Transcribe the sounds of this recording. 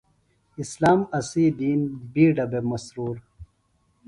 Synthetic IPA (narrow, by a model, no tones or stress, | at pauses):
islaːmɐsiːd̪iːnbiːɖɐbemɐsɾuːɾ